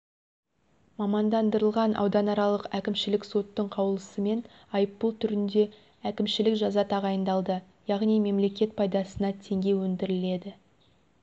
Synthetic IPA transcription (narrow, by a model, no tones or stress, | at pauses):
mɑmɑnd̪ɑnd̪əɾəlˠʁɑnʔɑ̰wd̪ɑnɑɾɑlˠəqækʲɪmʃɪlɪkso̞t̪ːəɴqʰɑwəlˠəsəme̞n | ɑjəpːəlˠt̪ʰʏɾɪnd̪e̞ | ækʲɪmʃɪlɪkʒɑzɑt̪ʰɑʁɑjənd̪ɑlˠd̪ə | jɑʁnijme̞mle̞kʲe̞t̪̚pʰɑjd̪ɑsənɑt̪ʰe̞ŋɡʲe̞wɵnd̪ɪɾɪle̞d̪ɪ